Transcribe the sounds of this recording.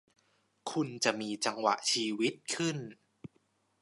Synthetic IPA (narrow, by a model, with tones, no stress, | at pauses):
kʰu˧nt͡ɕa˨˩ʔmiː˧t͡ɕa˧ŋwa̰˨˩ʔt͡ɕʰiː˧wi˦˥t̪̚kʰɯ˥˩n